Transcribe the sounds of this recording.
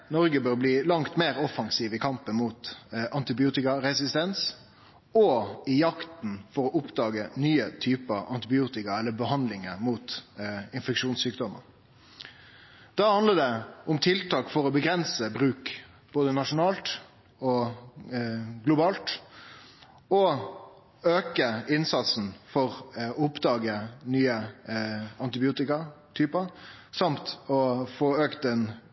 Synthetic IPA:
nɔʁɡəbøːɾbliːlɑŋt̪meːɾɔfɑŋsiːʋɪkʰɑmpənmuːt̪ʔɑnt̪ɪbɪuːt̪ɪkɑɾɛsɪst̪ɛns | ɔɪjɑkt̪n̩fɔɾɔʔʊpd̪ɑːɡənyːət̪ʰyːpəʔɑnt̪ɪbɪuːt̪ɪkɑɛlːəbəhɑnd̪lɪŋəmuːt̪ɪnfɛkʂuːnsyːkd̪ɔmə̰n | d̪̥ɑːhɑnd̪ləd̪ɛʊmt̪ʰɪlt̪ɑːkfɔʁɔbəɡʁɛnsəbʁʉːk | b̥oːd̪ənɑʂʊnɑːlt̪ | ɔ | ɡlʊbɑːlt̪ | ɔ | øːkəɪnsɑt̪sn̩fɔʁʊpd̪ɑːɡənyːə | ɑnt̪ɪbɪuːt̪ɪkɑt̪ʰyːpəɾsɑmt̪ɔfoːøːkt̪ɛn

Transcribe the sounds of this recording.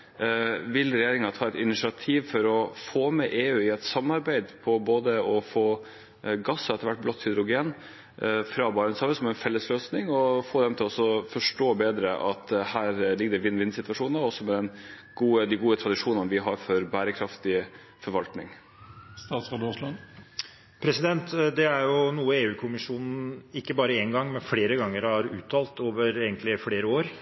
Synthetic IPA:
ʋɪlɾɛjeːɾɪŋɑt̪ʰɑːɛt̪ɪnɪsɪɑt̪ʰiːʋfɔɾɔfoːmɛʔeːʉːɪɛt̪sɑmːɑɾbæɪd̪pʰɔboːd̪əɔfoː | ɡɑsːɔɛt̪ːəɾʋæʈ̚ːblɔt̪ːhʏd̪ɾʊɡeːn | fɾɑːbɑːɾənsɑːʋəsɔmɛnfɛlːəsløːsnɪŋɔfoːd̪ɛmt̪ʰɪlɔsɔfɔʂʈoːbeːd̪ɾəʔɑt̪hæːɾlɪɡ̚d̪ɛʋɪnːʋɪnːsɪt̪ʋɑʂuːnɔsːɔmɛd̪ɛn | ɡ̥uːəd̪ɪɡuːət̪ʰɾɑd̪ɪʂuːnənəʋɪɦɑɾfɔɾbæːɾəkʰɾɑft̪ɪ | fɔɾʋɑlt̪nɪŋ | st̪ɑːt̪sɑːd̪oːslɑ | pʰɾɛsɪd̪ɛnt̪d̪ɛæɾjʊnuːəeːʉːkʰʊmɪʂuːnn̩ɪkːəbɑːɾəɛnɡɑŋːmɛnfleːɾəɡɑŋːəɾhɑɾʉ̰ːt̪ʰɑːlt̪oːʋəɾeːɡənt̪lɪfleːɾəoːɾ

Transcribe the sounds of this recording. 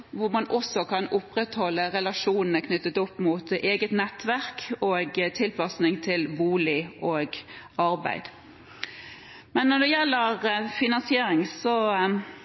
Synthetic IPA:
ʋʊɾmɑnʔɔsːɔkʰɑnʊpɾɛt̪hɔlːəɾɛlɑʂuːnn̩əkʰnʏt̪ːət̪ʊpːmʊt̪eːɡət̪nɛt̪ʋæɾkoːɡt̪ʰɪlpʰɑsnɪŋt̪ʰɪlʋuːlɪʔoːɡ | ɑɾbæ̰ɪd̪̥ | mɛnːɔd̪ɛjɛlːəɾfɪnɑnsɪeːɾɪŋsɔ

